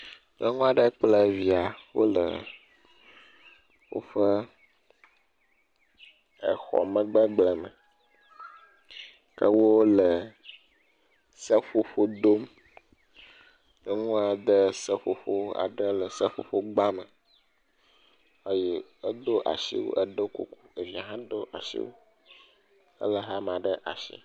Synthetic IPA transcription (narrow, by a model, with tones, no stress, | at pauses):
nə˦ŋũ˦a˨ɖə˦k͡ple˦˨vi˨a˨wo̰˦lə̰˨ | wo̰˦ɸə˦ | ḛ˨xɔ̰˨mə̃˦ɡ͡bə˦ɡ͡blɛ˨mə̰˨ | kə˦wo˦wo˦lə˨ | sə˦fo˦ɸo˦d̪o˦m | ne˦ŋũ˦a˨d̪ə˦sɛ˦ɸo˨ɸo˦a̰˨ɖə˦lə˨sɛ˦ɸo̰˨ɸo˦ɡ͡ba˦mə˨ | e˦jɛ˦ɛ˦d̪o˦ʔa̰˨sḭ˦wo̰˦ʔɛ˦ɖo˦kṵ˦ku̥˦e˨vi˨a˨ɦã˦d̪o˦ʔa˨ʃḭ˦wo̰˦ | ə̰˦lə˨ɦa˦m˨ã˨ɖə˦ʔa̰˨ʃḭ˦